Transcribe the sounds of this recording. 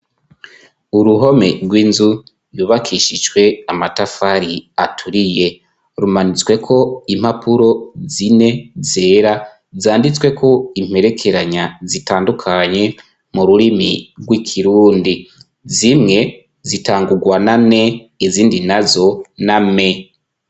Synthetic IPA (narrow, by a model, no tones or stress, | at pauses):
uɾuɦo̞me̞ɾɡwiːnzu | juβakʰiʃid͡ʒwe̞amatafaɾiatʰuɾije̞ | ɾumanit͡swe̞kʰo̞imhapuɾo̞zine̞ze̞ːɾa | zaːndit͡swe̞kʰo̞im̥e̞ɾe̞kʰe̞ɾaɲazitaːndukʰaɲe̞ | muɾuɾimiɾɡwikʰiɾuːndi | zimŋe̞ | zitaːŋɡuɡwanane̞ | iziːndinazo̞name̞